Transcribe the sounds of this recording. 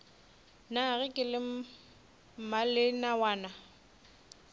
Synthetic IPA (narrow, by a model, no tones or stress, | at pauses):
naɣɪkʼɪlɪ | malɪnawaːna